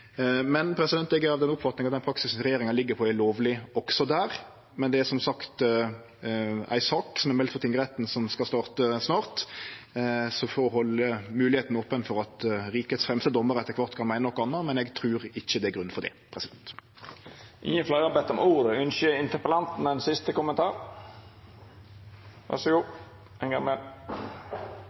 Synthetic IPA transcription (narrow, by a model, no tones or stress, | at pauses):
mɛnpʰɾɛsɪd̪ɛnt̪ɛɡæɾɑʋd̪ɛnʊpːfɑt̪nɪŋɑt̪d̪ɛnpʰɾɑksɪsɾɛjeːɾɪŋɑnlɪɡːəɾpʰɔæloːʋlɪɔksɔd̪æːɾ | mɛnd̪ɛæsɔmsɑkt̪ | æ̰ɪsɑksɔmɛɾmɛlt̪fɔt̪ɪŋːɡəɾɛt̪n̩sɔmskɑst̪ɑːʁt̪əsnɑːɾt̪ | sɔfɔɾɔɦɔlːəmʉːlɪheːt̪n̩opːənfɔɾɑt̪ɾiːkət̪sfʁɛmst̪əd̪ɔmːəɾɛt̪ːəʁkʋɑʁt̪kʰɑnmæɪnənɔkːɑnːəmɛnɛɡt̪ʰɾʉːʁɪçːəd̪ɛæɾɡʁʉnfɔʁd̪ɛ̰pʰʁɛsɪd̪ɛnt̪ | ʔɪ̰ənflæʁəbɛt̪ːɔmuːʁd̪əʉnʃəɪnt̪əpəlɑnt̪n̩ɛɪnsɪst̪əkʊmənt̪ʰɑːɾ | ʋæ̰səɡuː | ɛnɡɑŋmɛl